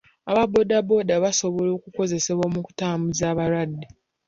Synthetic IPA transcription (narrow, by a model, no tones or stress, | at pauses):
aβabo̞dabo̞daβaso̞βo̞lo̞ːkuko̞ze̞se̞βwoːmuku̥taːmuzaːβaɾadːi